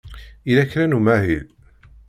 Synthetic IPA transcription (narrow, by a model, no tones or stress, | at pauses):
ilækːɾænumæɦil